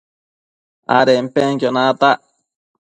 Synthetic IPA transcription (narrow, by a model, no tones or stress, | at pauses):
a̰ɾem̩peŋkonat̪aʔ